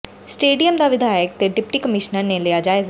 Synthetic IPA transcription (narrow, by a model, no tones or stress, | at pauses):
sʈeːɖijəmd̪aːʋɪd̪aːjək̚t̪eːɖɪpʈiːkəmɪʃnəɾneleːaːd͡ʒaːeːz